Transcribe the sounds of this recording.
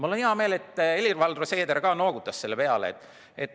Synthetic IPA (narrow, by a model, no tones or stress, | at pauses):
mulonihɑme̞ːlet̪ːˑelʲirvɑld̪rose̞ːd̪eɾkɑːno̞ːɡ̥ut̪ːˑɑsse̞lːepe̞ɑlḛt̪ːˑ | et̪ːˑ